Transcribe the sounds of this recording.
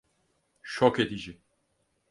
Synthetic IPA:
ʃoked̪id͡ʒi

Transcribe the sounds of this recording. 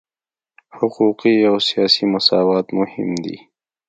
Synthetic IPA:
hʊquqiawsijɑsimʊsɑwɑːt̪mʊhɪ̰md̪ḭ

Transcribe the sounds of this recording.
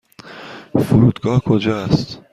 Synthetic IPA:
foɾuːd̪ɡɒːhkʰod͡ʒɒːst̪

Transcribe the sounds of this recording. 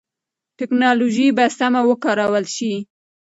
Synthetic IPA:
ʈɪknɑloʒibasamawəkɑɾawəlʃi

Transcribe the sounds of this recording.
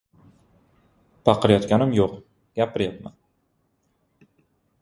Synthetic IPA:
pʰɑqʰɨɾjɒt̪kʲanɪmjoq | ɡ̥ʲapʰɪɾjap̪ma̰n

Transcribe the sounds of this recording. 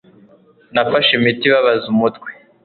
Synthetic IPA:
nafaʃimitiβaβazumutwe̥

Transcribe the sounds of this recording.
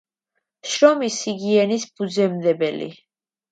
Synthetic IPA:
ʃɾɔmisiɡiɛnisb̥ud̪zɛmd̪ɛbɛlḭ

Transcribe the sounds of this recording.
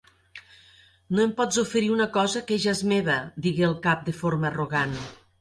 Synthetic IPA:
noempɔd͡zufəɾiunəkɔzəkeʒazmeβəd̪iɣeəlˠkap̚d̪efoɾməːruɣan

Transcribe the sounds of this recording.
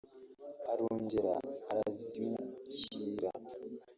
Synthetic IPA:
aɾoːɲɟeɾa̰ːɾazimuciːɾa̰

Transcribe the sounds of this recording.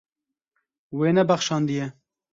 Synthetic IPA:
weːnɛbæxʃɑːnd̪ijɛ

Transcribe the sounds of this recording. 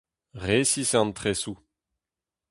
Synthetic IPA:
ʁesisɑ̃nt̪χesu

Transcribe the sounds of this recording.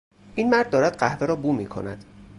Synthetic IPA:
ʔiːnmæɾd̪̚ːɒːɾæd̪ɢæhveɾɒːbuːmiːkʰo̞̰næd̪̥

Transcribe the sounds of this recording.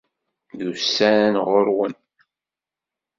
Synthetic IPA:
ðusænʁʊɾwən

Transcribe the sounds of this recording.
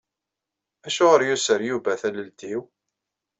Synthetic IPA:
æʃʊʁəɾjusəɾjuvæθæləld̪iw

